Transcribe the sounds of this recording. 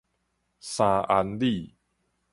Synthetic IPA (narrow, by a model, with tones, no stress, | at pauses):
sã˧ʔa˧nli˥˨